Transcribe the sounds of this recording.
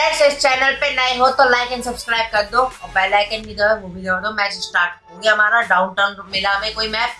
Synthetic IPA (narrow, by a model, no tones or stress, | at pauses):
ɛsɪst͡ʃɛːnəlpenɐĩɦot̪olaɪkɛ̃nsɐbskɾaːɪb̚kɐɾd̪õːɔːpɛːlaɪkɛ̃nbʱid̪oʋobʱid̪oːd̪õmɛ̃ːd͡ʒɪsʈaːɾʈ̚kɐɾũːɡiɦɐmaːɾaɖaːʊ̃nʈɐnɾmɪlaʋẽkoːimɛːp